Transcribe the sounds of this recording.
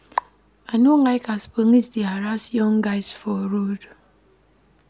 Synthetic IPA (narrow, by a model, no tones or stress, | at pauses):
anoŋaɪkaspoŋisdiaɾasjɔŋɡaɪzfɔɾod